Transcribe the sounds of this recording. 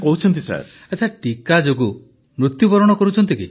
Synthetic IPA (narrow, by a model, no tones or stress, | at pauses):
pɔɦut͡ʃʰɔnt̪isa̰ɾ | at͡ʃʰaʈikad͡ʒoɡu | mɾut̪jupɔɾɔɽ̃ɔkɔɾut͡ʃʰɔnt̪iki